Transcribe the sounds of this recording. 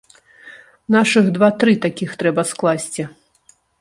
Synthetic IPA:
naʂɨɣd̪vat̪ɾɨt̪akʲixt̪ɾɛbɐsklˠasʲt͡sʲi

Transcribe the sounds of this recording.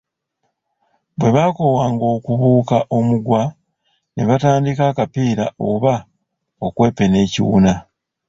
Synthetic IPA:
βwe̞βako̞waːŋɡo̞ːkuβuːkaʔo̞muɡwa | ne̞βataːndikakapiːɾao̞βa | okwe̞ːpe̞ne̞ːcḭwṵna

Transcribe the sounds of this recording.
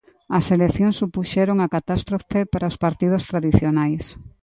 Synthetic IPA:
ɐseleθjoŋsupuʃɛɾoŋakat̪ast̪ɾofepaɾaospaɾt̪ið̞ost̪ɾaðiθjonajs

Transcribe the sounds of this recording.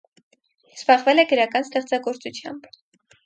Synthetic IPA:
sb̥ɑʁvɛlɛɡəɾɑkɑnst̪ɛχt͡sɑɡɔɾt͡sut͡sʰjɑ̰mb

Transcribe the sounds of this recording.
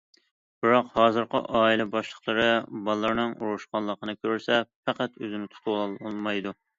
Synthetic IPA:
b̥ɨɾɑqhɑːzɨɾqə̰ʔɑːilɛbɑʃlˠəχlˠəɾɨbɑlˠːɑɾnɨŋʔuɾuʃqɑnlˠəqənɨkʲøɾsɛpæqæt̪øzɪnɪt̪ʰt̪ʰʊwɑlˠmɑjd̪u

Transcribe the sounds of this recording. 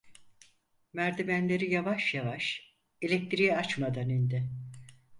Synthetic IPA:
mæɾd̪imænlʲe̞ɾijavaʃjavaʃ | e̞lʲɛk̚t̪ʰɾijɛat͡ʃmad̪anind̪ɪ

